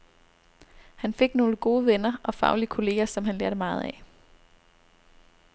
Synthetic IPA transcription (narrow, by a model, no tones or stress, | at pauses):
hænfe̝ɡ̥no̝ːləɡ̥o̝ːʋenɐʔɒ̽fɑ̈ʊliəkʰo̝le̝̰ːɐsɒ̽mɦænleɐɾəmɑ̈ːð̞̩ˠæ